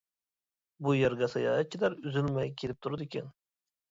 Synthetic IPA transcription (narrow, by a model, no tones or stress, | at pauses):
bujeɾɡʲɛsɑjɑ̰ːt̪̚t͡ʃʰilæɾyzylmɛjkʲʰelɪp̚t̪ʰuɾɨd̪ɪkʲɛn